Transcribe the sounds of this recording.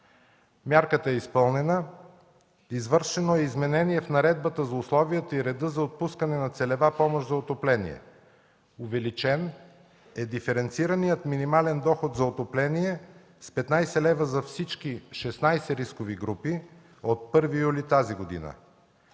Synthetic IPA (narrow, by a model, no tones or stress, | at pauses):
mʲjaɾkət̪əɛispɤlˠnɛnə | izvɤɾʃɛnoɛizmɛnɛniɛfnɐɾɛd̪̚bət̪əzɐʊslˠɔvijət̪əiɾɛd̪əzɐot̪̚puskənɛnɐt̪sɛlɛvapɔmoʃzɐot̪oplɛnḭɛ̰ | ʊvɛlit͡ʃɛn | ɛd̪ifɛɾɛnt̪siɾənijət̪minimalɛnd̪ɔxot̪zɐot̪oplɛniɛ | spɛt̪najsɛlɛvəzɐfsit͡ʃk̟iʃɛsnajsɛɾiskoviɡɾupi | ot̪̚pɤɾvijulit̪aziɡod̪ḭnə̰